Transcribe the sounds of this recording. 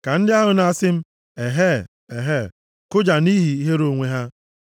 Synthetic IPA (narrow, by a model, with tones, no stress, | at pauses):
ka˨n̩˦dɪ˦a˦ɦʊ˨na˦sɪ˦m̩˦ | e˨ɦe˦˨ | e˨ɦe˦˨ | kʊ˦d͡ʒa˨ni˦ɦi˨i˦ɦe˦ɾo˨ŋʷe˦ɦa˦